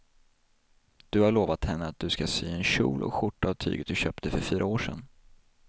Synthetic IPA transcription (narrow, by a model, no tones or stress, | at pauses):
d̪̥ɵhaɭoːvat̪hɛnːəat̪̚d̪ɵskasy̰ːɛnɕṵːlʔɔ̰kɧʊʈːaːvt̪ʰy̰ːɡət̪̚d̪ɵɕœːpt̪əfœɾfyːɾʔaoːʂɛ̰n